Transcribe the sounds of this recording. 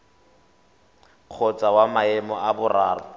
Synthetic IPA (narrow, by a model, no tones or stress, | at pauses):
k͡xʰɔt͡sʼawamaɛmɔʔabʊraːrɔ̰